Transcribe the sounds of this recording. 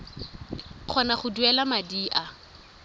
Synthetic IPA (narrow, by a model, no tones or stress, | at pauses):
χʰɔnaχʊduɛlamadiːʔa